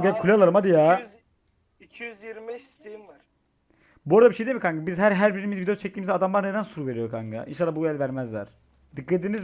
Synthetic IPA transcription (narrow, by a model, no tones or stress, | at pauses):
ɡkʰulʲealˠaɾɯmad̪ija | cʰijyzjiɾmibɛʃst̪ʰejimvaɾ | buoɾd̪abiʃejd̪eilmikʰaŋɡɯbizɦæɾɦæɾbiɾimizvid̪eot͡ʃʰɛc̚lʲiːmizɛad̪amlˠaɾned̪ænsuɾuve̞ɾijokʰaŋɡa̰ʔḭnʃalːˠabuɛlʲvæɾmæzlʲæ̰ɾ̥ | d̪ɯkːat̪iniz